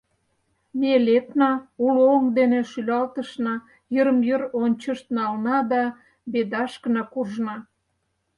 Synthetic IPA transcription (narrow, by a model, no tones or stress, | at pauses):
melet̪nɑulooŋd̪eneʃylɑlt̪əʃnɑ | jəɾəmjəɾonʲt͡ɕəʃt̪nɑlnɑd̪ɑ | bed̪ɑʃkə̆nɑkuʒnɑ